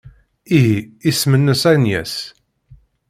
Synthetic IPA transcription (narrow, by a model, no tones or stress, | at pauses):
iɦiismənːəsænjæ̰s